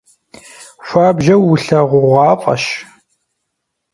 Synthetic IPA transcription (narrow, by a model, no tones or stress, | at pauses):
ɕʷaːbʒɐwːʊɬɐʁʷʊʁʷɑːpʼɐ̰ʃ